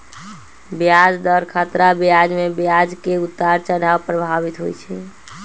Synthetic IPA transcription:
bjad͡ʒd̪əɾkʰat̪ɾabjad͡ʒmebjad͡ʒkeut̪ːaɾt͡ʃəɽawpɾəbʱabit̪ɦo̰jt͡ʃʰɛ

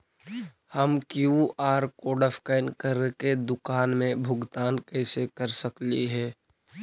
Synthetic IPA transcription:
həmkjuaːɾkoːɖəfkaɪnkəɾked̪ʊkaːnmẽbʱʊɡt̪aːnkɛːsekəɾsəklḭɦɛː

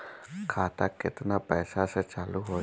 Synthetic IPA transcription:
kʰaːt̪akɪt̪napɛːsaset͡ʃaluɦoː

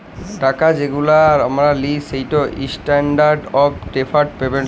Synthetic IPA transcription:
ʈakad͡ʑeɡulaɾamɾalisejʈoʔḭsʈaɳɖaɾɖɔbʈepʰaɾɖpeben

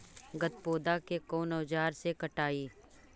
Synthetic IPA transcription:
ɡɐt̪̚poːd̪akekoːnɔːd͡ʒaːɾsekɐʈaːiː

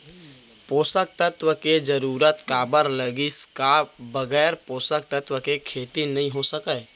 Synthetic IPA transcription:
poːsək̚t̪ət̪wəked͡ʒəɾuɾət̪kabəɾləɡiskabəɡɛːɾpoːsək̚t̪ət̪wəkekʰet̪inəĩɦosəkə

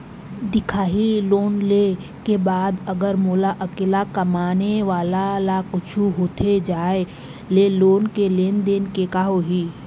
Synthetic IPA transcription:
d̪ɪkʰaːɦiloːnle | kebaːd̪əɡəɾmoːlaʔɐkɪlakɐmaːneʋaːlalakʊt͡ʃʰuɦoːt̪ʰed͡ʒaːe | leloːnkeleːnd̪eːnkekaːɦoɦiː

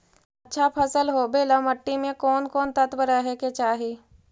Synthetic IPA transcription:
ɐtːʃʰapʰəsəlɦobeːləmɐʈːimẽkɔːnkɔːnt̪ət̪ʋəɾəɦɛket͡ʃaːɦiː

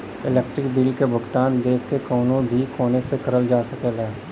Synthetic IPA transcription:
ɪleːk̚ʈɾɪkbiːlkebʱʊɡt̪aːnd̪eːskekɔːnõbʱikoːnesekɐɾəld͡ʒaːsɐkeːlaː

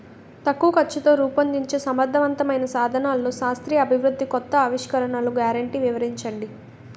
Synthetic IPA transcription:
t̪ɐkːuːɐkɐt͡ʃːɐt̪oːɾuːpɐnd̪iɲt͡ʃe̞ːsɐmɐd̪ʱːɐʋɐnt̪ɐmɐjnɐsaːd̪ʱɐnaːlɐːuːʃaːst̪ɾiːɐbʱiʋɾud̪ʱːikɔt̪ːɐːʋiʂkɐɾɐɳaːluɡjaːɾɐɳʈiːʋiʋɐɾiɲt͡ʃɐɳɖi

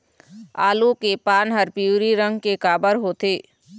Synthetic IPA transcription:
a̰ːlukepaːnɦəɾpiuːɾiɾə̃ŋɡkekaːbəɾɦoːt̪eː

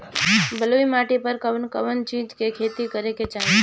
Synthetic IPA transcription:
bəluimaʈipəɾkəʋnkəʋənt͡ʃĩt̪kekʰet̪ikəɾeket͡ʃaɦe

